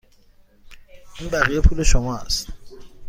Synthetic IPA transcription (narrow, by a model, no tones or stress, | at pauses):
im̩bariopʰuleʃɔmwaːs